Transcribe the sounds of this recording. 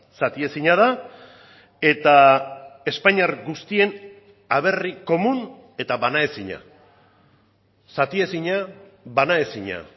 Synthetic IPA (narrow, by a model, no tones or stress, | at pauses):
sat̪ie̞siɲaða | e̞t̪a | e̞spaɲaɾɡust̪ie̞n | aβe̞riko̞mun | e̞t̪aβanae̞siɲa̰ | sat̪ie̞siɲa | βanae̞siɲa̰